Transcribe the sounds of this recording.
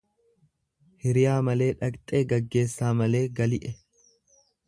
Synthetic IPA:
hɪɾɪjaːmɐle̞ːᶑɐkʼt̪ʼe̞ːɡɐɡːe̞ːsːaːmɐle̞ːɡɐlɪʔɛ

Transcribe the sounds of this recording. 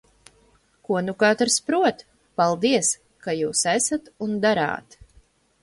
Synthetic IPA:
kuɔnukat̪ɾspɾuɔt̪ | palˠd̪iɛs | kajuːsɛsat̪und̪aɾa̰ːt̪

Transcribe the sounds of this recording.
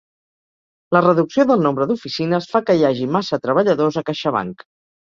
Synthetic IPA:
lərəðuksioðəlˠnombɾəðufisinəsfakəjaʒimasət̪ɾəβ̞əʎəðozəkaʃəβ̞a̰ŋk

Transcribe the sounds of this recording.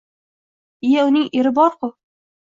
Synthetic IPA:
ɪjaʊnɪŋeɾɪbɒɾqʊ

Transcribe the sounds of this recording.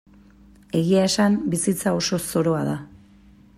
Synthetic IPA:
e̞ɣiae̞sambisit͡sao̞so̞so̞ɾo̞aða

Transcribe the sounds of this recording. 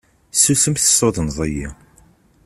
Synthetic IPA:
susəmθə̥sːoðˤnzˤəji

